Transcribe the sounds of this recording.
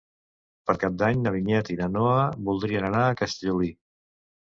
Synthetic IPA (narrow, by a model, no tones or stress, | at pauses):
pəɾkap̚d̪aɲnəβ̞iɲɛt̪inənoəβulˠd̪ɾiənənaːkəst̪əʎuli